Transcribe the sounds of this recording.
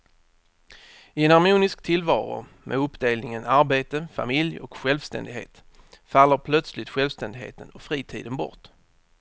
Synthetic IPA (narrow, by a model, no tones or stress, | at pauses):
ɪɛnaɾmuːnɪskt̪ʰɪlvɑːɾʊ̰ | mʔɛ̰ɵpːd̪eːlnɪŋənaɾbeːt̪əfa̰mɪljɔkɧɛlvst̪ɛ̰nd̪ɪɡɦḛːt̪ | falːəɾpʰlœt̪slɪt̪ɧɛlvst̪ɛnd̪ɪɡɦḛːt̪ənɔfɾiːt̪ʰḭːd̪ənbɔ̰ʁʈ